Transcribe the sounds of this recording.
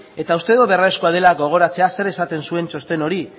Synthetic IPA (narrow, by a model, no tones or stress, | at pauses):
e̞t̪aust̪e̞ðoβeraeskoaðe̞laɣo̞ɣ̞o̞ɾat͡se̞ase̞ɾe̞sat̪e̞nsue̞nt͡ʃo̞st̪e̞no̞ɾi